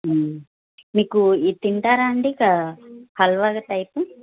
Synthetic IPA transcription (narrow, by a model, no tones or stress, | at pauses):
miːkuit̪iɳʈaːɾaːɐɳɖiːkahɐlʋaɡɐʈɐjpu